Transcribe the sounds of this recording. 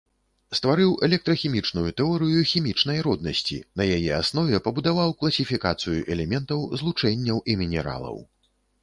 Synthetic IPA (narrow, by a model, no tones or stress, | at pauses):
st̪vaɾɨwɛlʲɛk̚t̪ɾɐxʲimʲit͡ʂnujut̪ɛɔɾɨjuxʲimʲit͡ʂn̪ɐjɾɔd̪̚nɐsʲt͡sʲḭnɐjajɛasn̪ɔvʲɛpɐbud̪avawklˠɐsʲifʲikat̪sɨjṵʔɛlʲɛmʲɛnt̪ɐwzlˠut͡ʂɛnʲːɐwʔimʲinʲɛɾa̰lˠɐ̰w